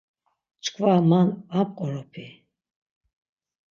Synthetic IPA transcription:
t͡ʃʰkʰvamanap̚ʼqʼɔɾɔpʰi

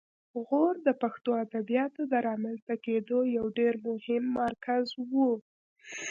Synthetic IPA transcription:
ɣoɾd̪əpaxt̪oad̪abijɑt̪od̪əɾɑmanst̪aked̪ojawɖeɾmʊhɪmːaɾkʰazwu

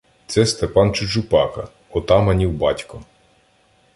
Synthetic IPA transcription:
t̪sɛst̪epɑnt͡ʃʊd͡ʒʊpɑkɐ | ɔt̪ɑmɐnʲiwbɑtʲkɔ

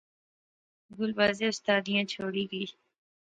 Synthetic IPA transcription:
ɡʊlbaːzeʊst̪aːd̪ijãːt͡ʃʰoːɽiɡəiː

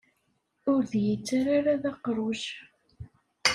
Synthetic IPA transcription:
ʊɾðjət͡sːaɾaɾaðaqɾˤuʃ

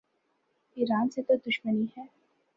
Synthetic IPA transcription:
iːɾaːnset̪od̪ʊʃməniɦɛː

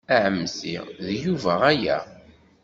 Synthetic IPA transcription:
æʕəmːsiðjuvæʁæjæ̰

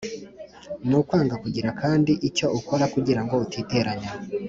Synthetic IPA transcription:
nukwaːŋɡakuɟiɾakʰaːndiʔico̞uko̞ɾakuɟiɾaŋɡo̞utʰiːte̞ɾaɲa

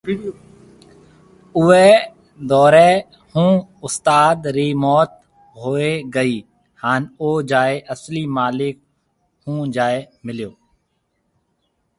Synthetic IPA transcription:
ʊeː | d̪ɔːɾeː | hũːʊst̪aːd̪ɾiːmɔːt̪̚ | ɦoːeːɡəiː | haːnoːd͡ʒaːeːʔəsliːmaːlɪk̚ | hũːd͡ʒaːeːmɪljoː

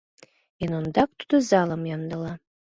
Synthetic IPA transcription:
enond̪ak̚ʼt̪ʰu̥d̪ɨzalamjand̪ala

